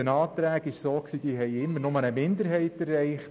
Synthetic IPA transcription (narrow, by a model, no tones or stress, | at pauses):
ənɑːt̪ɾæːɡɪʃsoːksiːd̥iːɦɛɪɪmːəɾnʊmənəmɪndəɾɦɛɪtɛrːɛɪχt